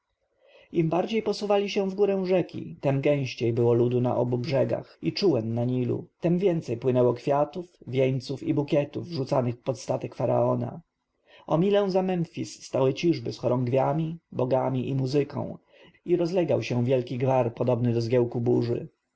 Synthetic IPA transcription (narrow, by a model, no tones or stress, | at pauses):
imbaɾd͡ʑejpɔsuvalʲiɕɛ̃w̃vɡuɾɛ̃w̃ʐɛkʲḭt̪ɛmɡɛ̃w̃ɕt͡ɕejbɘwɔlud̪una̰ʔɔbubʐɛɡa̰xit͡ʂuwɛnːaɲilṵt̪ɛmvʲjɛnt̪sɛjpwɘnɛwɔkfʲjat̪ufvʲjeɲt̪sufibukʲɛt̪uvʐut̪sanɘxpɔt̪st̪at̪ɛkfaɾa̰ɔna̰ | ɔmʲilɛw̃zamɛmfʲisːt̪awɘt͡ɕiʐbɘsxɔɾɔŋɡvʲjamʲibɔɡamʲiʔimuzɘkɔ̰̃w̃ | iɾɔzlɛɡawɕɛ̃vʲjɛlkʲiɡvaɾpɔd̪ɔbnɘd̪ɔzɡʲjɛwkubuʐɘ̰